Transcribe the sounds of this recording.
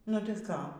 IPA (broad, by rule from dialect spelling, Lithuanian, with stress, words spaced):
nʊ tɐɪ ˈkɑː